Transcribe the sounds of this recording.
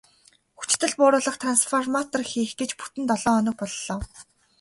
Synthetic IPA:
xu̥t͡ɕt̪ɘ̆ɮpʊːɾʊːɮə̆χt̪ʰransfɔrmat̪ɔrxiːxɡet͡ɕpu̥t̪ɘ̆nt̪ɔɮɔːɔnɞ̆k̚pɔɮːɔː

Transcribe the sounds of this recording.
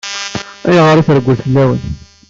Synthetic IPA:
æjʁəɾˤiθəɾəɡʷːəlθəlːæwə̰n

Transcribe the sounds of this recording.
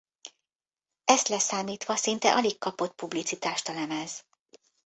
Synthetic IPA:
ɛst̪lɛsaːmiːt̪ʋɒsint̪ɛ̰ʔɒlikkɒpo̞t̪̚publit̪sit̪aːʃt̪ɒlɛmɛz̥

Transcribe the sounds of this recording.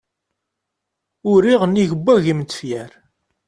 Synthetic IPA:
ʊɾiʁənːiʝəbʷːæʝimt͡sːə̥fjæɾ

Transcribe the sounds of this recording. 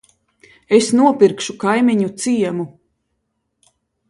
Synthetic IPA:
esnuɔpiɾkʃukajmiɲut̪siɛmu

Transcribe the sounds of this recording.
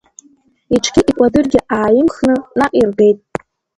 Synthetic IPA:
iʈ͡ʂʰɡʲiʔikʷʼadɨrɡʲɪʔaːjɪmχnɨnaqʼirɡe̞jtʼ

